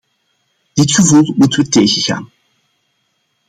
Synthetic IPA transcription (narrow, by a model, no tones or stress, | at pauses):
d̥ɪtχəvulˠmutəʋətejɣəɣa̰ːn